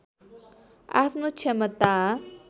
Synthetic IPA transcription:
a̰fnut͡ʃʰɛmət̪a

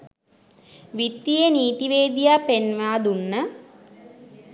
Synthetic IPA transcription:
ʋit̪ːijeniːt̪iʋeːd̪ijapenʋaːd̪unːə

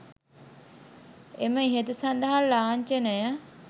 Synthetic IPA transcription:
eməiɦet̪usɐnd̪ɐɦalːaːɲt͡ʃenəjə

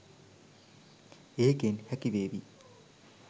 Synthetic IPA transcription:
eːkenhɛkibeːbi

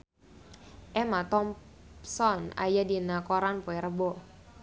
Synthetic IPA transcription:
ʔɛmat̪ɔm | sɔna̰jadinakɔɾanpɔɛɾəbɔ

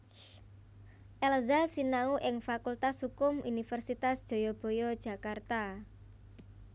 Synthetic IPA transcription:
ʔɛlzasinauʔɪŋfakult̪ashukʊmʔunifərsit̪asd̥ʒ̥o̤jɔb̥o̤jɔd̥ʒ̥a̤kart̪a

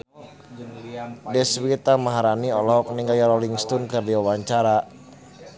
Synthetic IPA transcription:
dɛswit̪amaɦaɾaniɔlɔɦɔk̚niŋɡajaɾɔliŋst̪unkərdiwawaɲt͡ʃaɾa

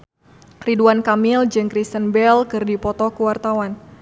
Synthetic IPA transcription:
ɾiduankamild͡ʒɨŋkɾist̪ənbɛlkɨrdipɔt̪ɔkuwart̪awan

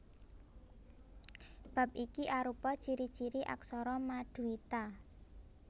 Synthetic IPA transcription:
b̥ä̤p̚ʔikiʔaɾupɔ̥t͡ʃiɾid̥t͡ʃiɾiʔa̰ksɔɾɔmaɖ̪̥ṳit̪a

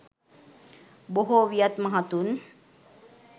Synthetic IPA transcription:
boɦoʋijat̪maɦat̪un

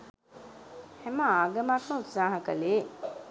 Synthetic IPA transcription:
hæməaːɡəmakməut̪saːɦəkəleː

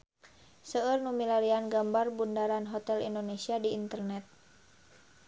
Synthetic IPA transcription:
səərnumilaɾianɡambarbundaɾanɦɔt̪ɛlḭndonesiadiːnt̪ərnɛt̪̚

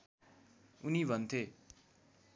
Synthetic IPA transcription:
unibʱʌnt̪ʰe

